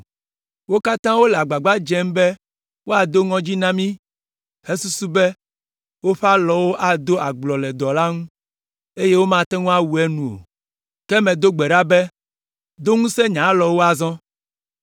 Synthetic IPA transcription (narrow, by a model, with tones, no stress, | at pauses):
wo˦ka˦t̪ã˦wo˦lɛ˨a˨ɡ͡ba˨ɡ͡ba˦d͡ʒɛ̃˦mbɛ˦ | wo˦a˨d̪o˦ŋɔ̃˦d͡ʑi˦nã˦mĩ˦ | he˦su˦su˦bɛ˦ | wo˦ɸa˦lɔ˨wo˦ʔa˦d̪o˦ʔa˨ɡ͡blɔ˨lɛ˨d̪ɔ˨la˦ŋũ˦ | e˦je˦wo˦mã˦˨t̪ɛ˦ŋũ˦a˦wu˨ɛ˦nũ˨o̰˨ | kɛ˦mɛ̃˨d̪o˦ɡ͡bɛ˨ɖa˦bɛ˦ | d̪o˦ŋũ˦sɛ˦ɲã˨˦lɔ˨wo˦a˨zɔ̃˦